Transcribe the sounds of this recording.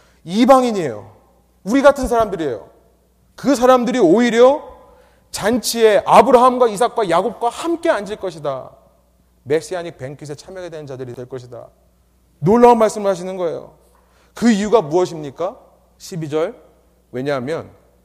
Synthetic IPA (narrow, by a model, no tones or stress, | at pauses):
ibaŋiɲie̞jo̰ | uɾiɡatʰɯns̬ʰaɾamdɯɾie̞̰jo̰ | kɯs̬ʰaɾamdɯɾioiɾjʌ | t͡ɕant͡ɕʰie̞ʔabɯɾaɦamɡwais̬ʰak̚k͈wajaɡop̚k͈wahamk͈e̞and͡ʑiɭk͈ʌɕʰida̰ | me̞ɕ͈iaɲik̚pe̞ŋkʰis̬ʰet͡ɕʰamjʌɡedwe̞nnd͡ʑadɯɾitwe̞ɭk͈ʌɕʰida̰ | noɭːaonmaɭs͈ɯmɯɭɦaɕ̬ʰinɯnɡʌe̞̰jo̰ | kɯijuɡamuʌɕʰimɲik͈a | ɕʰibid͡ʑʌɭ | we̞ɲaɦamjʌ̰n